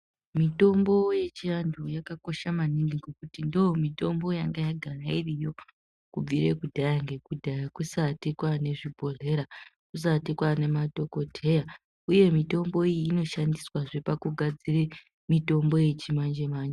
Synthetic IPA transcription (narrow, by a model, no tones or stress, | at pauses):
mito̞mbo̞je̞t͡ʃijandʰujakako̞ʃamaniŋɡiŋɡekutindomito̞mbo̞jaŋɡajaɡʱarairijo̞ | kub͡viɾe̞kudʱajaŋɡe̞kudʱajakusatikwane̞ʐibʱo̞ɮe̞ɾa | kus̬atikwane̞mato̞ko̞tʰe̞ja | uje̞mito̞mbo̞iiːno̞ʃandiswaʐe̞pakuɡʱad͡zire | mito̞mbo̞je̞t͡ʃimand͡ʒemaːnd͡ʒe